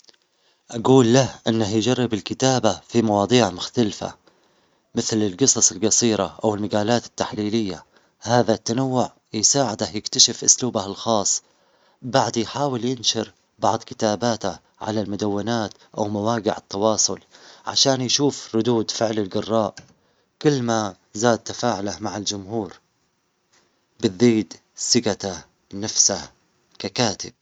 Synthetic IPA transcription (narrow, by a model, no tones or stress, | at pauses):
ʔaɡuːlːahʔɪnːahjd͡ʒarːɪbɪlkɪt̪aːbafimɑwɑːd̪ˤiːʕmʊxt̪alfa̰ | mɪθlɪlɡɨsˤɑsˤɪlɡɑsˤiːɾaʔawɪlmaɡaːlaːt̪ɪ̥t̪ːaħliːlɪjːa | haːðat̪ːanawːʊʕ | jsaːʕɪd̪ajɪkt̪aʃɪfʔʊ̰sluːbahalxɑːsˤː | baʕd̪jħaːwɪljɪnʃɪɾ | bɑʕd̪ˤkɪ̥t̪aːbaːt̪a | ʕa̰lalmʊd̪awːɪnaːt̪ʔa̰wmawaːɡɪʕɪt̪ːɑwɑːsˤʊlʕa̰ʃaːnjʃuːfɾˤʊd̪uːd̪fɪʕlɪlɡɑrˤːɑːʔ | kʊlːma | zaːd̪̚t̪afaːʕʊlamaʕɪld͡ʒʊmhuːɾ | bɪðːiːd̪ | sɪɡat̪a | nafsah | kakaːt̪ɪb̥̚